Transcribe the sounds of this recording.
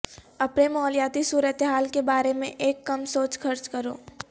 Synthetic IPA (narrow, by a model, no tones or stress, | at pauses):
ɐpnemɔːljaːt̪isuːɾət̪eɦaːlkebaːɾemẽʔeːkːɐmsoːt͡ʃxʰɐɾt͡ʃkɐɾoː